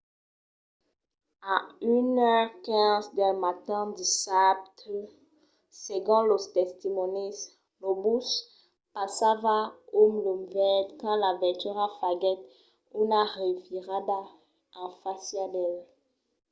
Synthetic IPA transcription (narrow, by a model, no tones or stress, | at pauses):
aynœʁkɛ̃zd̪ɛ̃mat̪ɛ̃d̪isapt̪ | seɡɔ̃lɔst̪ɛst̪imɔnis | lɔbus | pasavaumlɔmvɛd̪kɑ̃lavɛt̪yʁafaɡɛt̪ | unaʁiviʁad̪a | ɛ̃fasjad̪ɛl